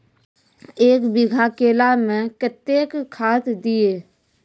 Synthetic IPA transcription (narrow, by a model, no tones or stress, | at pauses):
eːkbɪɡʱakeːlamẽkət̪ːeːkkʰaːt̪d̪ieː